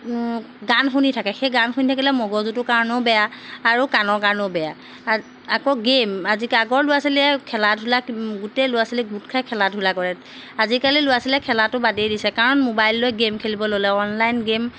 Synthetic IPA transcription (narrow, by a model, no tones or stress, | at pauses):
ɡanxunitʰakɛxejɡanxunitʰakilɛmɔɡɔzutʊkaɹɔnɔʊbɛjaːɹukanɔɹkaɹɔnɔʊbɛja | akɔɡemazikaɡɔɹlʊjasilɛɛkʰɛladʱulaɡutɛlʊjasilɛɡutkʰajkʰɛladʱulakɔɹɛ | azikalilʊjasilɛkʰɛlatʊbadejdisɛkaɹɔnmobajlːojɡemkʰelibɔlolɛɔnlajnɡem